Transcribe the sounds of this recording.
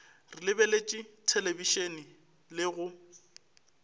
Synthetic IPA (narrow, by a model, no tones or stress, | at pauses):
rɪlɪbelet͡ʃʼitʰelebiʃeni | lɪɣʊ